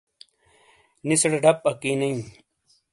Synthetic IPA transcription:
nisɽɐɖʱɐp̚ɐkiːnɐĩ

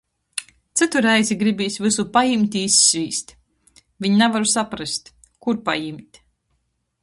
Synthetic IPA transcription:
t̪sɨt̪uɾɛjzʲiɡɾibiːsvɨsupajimʲt̪ʲiːsːvʲiːst̪ | viɲnɛvaɾusapɾast̪ | kuɾpa̰jimʲt̪ʲ

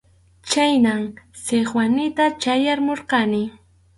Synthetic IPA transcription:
t͡ʃajnamseχwanɪt̪at͡ʃajaɾmoɾqɑnɪ

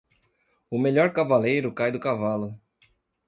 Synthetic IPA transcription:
ʊmeʎɔɾkavalejɾʊkajd̪ʊkavalʊ

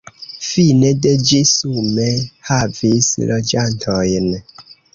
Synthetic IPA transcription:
fineded͡ʒisumehavislod͡ʒantʰojn

